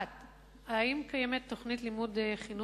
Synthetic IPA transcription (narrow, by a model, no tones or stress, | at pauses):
t | aimkajemet̪ːo̞χnit̪limudeχinu